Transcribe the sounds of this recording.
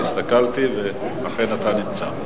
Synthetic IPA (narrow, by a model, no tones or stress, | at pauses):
ist̪akalt̪ive | laχe̞nat̪animt͡sa̰